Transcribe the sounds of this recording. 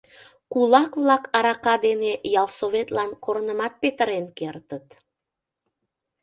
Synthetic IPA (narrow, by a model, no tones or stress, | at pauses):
kulˠɑkβlɑkɑɾɑqɑd̪enejɑlˠsoβet̪lɑnkoɾənəmɑt̪̚pet̪ə̆ɾenkert̪ət̪